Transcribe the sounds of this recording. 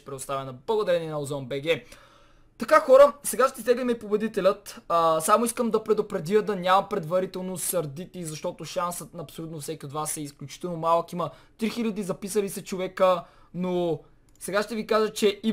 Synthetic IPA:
pɾɛd̪ost̪avɛnɐblˠɐɡod̪ɐɾɛniɛnɐozɔmbɛɡɛ | t̪ɐkaxɔɾəsɛɡaʃt̪ɛsd̪ɛɡ̪lʲimɛipobɛd̪it̪ɛlʲət̪ːsamoiskəmd̪ɐpɾɛd̪opɾɛd̪iəd̪ɐnʲamɐpɾɛd̪vɐɾit̪ɛlˠnosɐɾd̪it̪iizɐʃt̪ɔt̪oʃansət̪nɐːpsolʲut̪nofsɛkʲiod̪vasɛisklʲut͡ʃi̥t̪ɛlˠnomalˠkimət̪ɾixilʲɐd̪izɐpisəlisɛt͡ʃovɛkə | no | sɛɡaʃt̪ɛvikaʒət͡ʃɛi

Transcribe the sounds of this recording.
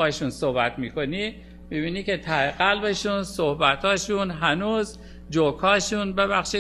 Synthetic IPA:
ɒheʃunsohbæt̪miːkʰoni | miβiːnikʰe̞t̪ʰæheɣælbeʃunsohbæt̪hɒːʃunɦænuːz | d͡ʒokʰhɒːʃunbeβæxʃiː

